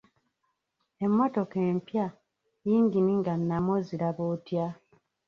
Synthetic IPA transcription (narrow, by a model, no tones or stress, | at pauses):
emːato̞keːmpja | jiːŋɡiniŋɡanːamoziɾaβotja